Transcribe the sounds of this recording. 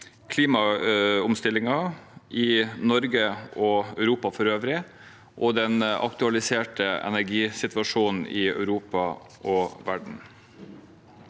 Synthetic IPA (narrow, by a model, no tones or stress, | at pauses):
kʰliːmɑʊmst̪ɪlɪŋɑʔɪnɔɾɡəɔœʉɾuːpɑfɔɾøːʋɾɪ | ʔɔd̪ɛnɑ̰kt̪ʉɑlɪseːʈəɛ̰næɾɡiːsɪt̪ʋɑʂuːnn̩ɪœ̰ʉɾuːpɑ | ʔɔʋæɖɳ̩